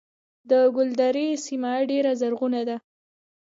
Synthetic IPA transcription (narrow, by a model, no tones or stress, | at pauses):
d̪əɡʊld̪aɾesimaɖeɾazaɾɣunad̪a